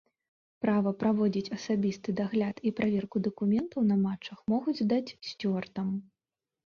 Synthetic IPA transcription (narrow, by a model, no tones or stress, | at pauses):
pɾavɐpɾavɔd͡zʲit͡sʲɐsabʲist̪ɨd̪aɣlʲat̪ipɾavʲɛrkud̪ɐkumʲɛnt̪ɐwnɐmat͡ʂːɐxmɔɣud͡zʲzd̪at͡sʲsʲt͡sʲɔrt̪ɐm